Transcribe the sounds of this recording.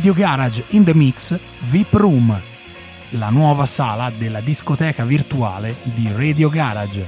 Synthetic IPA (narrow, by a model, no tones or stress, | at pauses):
d̪joɡaɾad͡ʒind̪əmiks | vipɾum | lanwɔːvasaːlad̪elːad̪iskot̪ɛːkavirt̪ua̰ːled̪ired̪joɡaːɾad͡ʒ